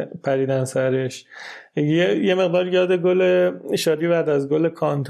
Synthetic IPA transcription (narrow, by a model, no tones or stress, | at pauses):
pʰæɾiːd̪ænsæɾeʃ | jejemeɣd̪ɒːɾjɒːd̪e̞ɡoleʃɒːd̪ibæd̪æzɡolekʰɒnt̪ʰ